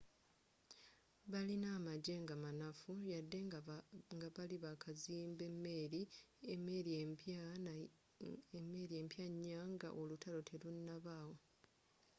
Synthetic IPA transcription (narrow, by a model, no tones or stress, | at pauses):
βalinaːmaɟe̞ŋɡamanafujadːe̞ŋɡaβaliβakʰaziːmbe̞mːe̞ːɾiemeɾa | mːe̞ːɾie̞ːmpjaɲːaŋɡa̰ʔolutʰalo̞tʰe̞lunːaβaːwo̞